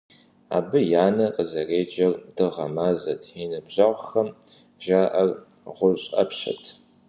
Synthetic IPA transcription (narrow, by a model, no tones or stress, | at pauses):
a̰ːbɨjaːnɐqʼəzɐreːd͡ʒɐrdɨʁɐmaːzɐtʰinɨbʑɐʁʷxɐm | ʒaːʔɐrʁʷʊɕʼɐ̰pɕɐ̰tʰ